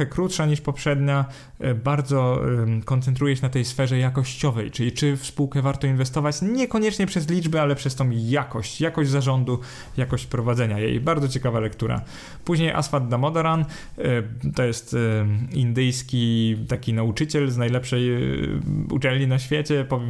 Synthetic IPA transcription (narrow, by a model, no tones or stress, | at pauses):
ɛkɾut̪ʂaɲiʂpɔpʂɛd̪ɲa | baɾd̪zɔkɔnt̪sɛnt̪̬ɾujɛɕɛnat̪ɛjsfɛʐɛjakɔɕt͡ɕɔvɛjt͡ʂɘlʲit͡ʂɘfspuwkɛvaɾt̪ɔinvɛst̪ɔvat͡ɕɲɛkɔɲɛt͡ʂɲɛpʂɛzlʲid͡ʐbɛalɛpʂɛst̪ɔ̃w̃jakɔɕt͡ɕjakɔʑd͡ʑʲzaʐɔnd̪u | jakɔɕt͡ɕpɾɔvad̪zɛɲajḛjbaɾd̪zɔt͡ɕɛkavalɛkt̪uɾa̰ | puʑɲejʔa̰sfad̪ːamɔd̪ɔɾan | t̪ɔjɛst̪ind̪ɘjskʲit̪akʲinaut͡ʂɘt͡ɕɛlznajlɛpʂɛj | ṵt͡ʂɛlɲinaɕfʲjet͡ɕɛpɔvʲj